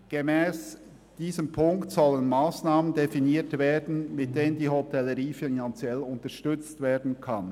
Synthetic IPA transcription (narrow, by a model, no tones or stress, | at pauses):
ɡ̥emɛːs | d̥iːzəmpʰʊŋktsɔlənmaːsnaːməndefiniːtveːdn̩mɪt̚d̥eːnəndiːɦotʰɛləɾiːfinant͡sjɛlʊntəʃtʏt͡stv̥eːdn̩kʰan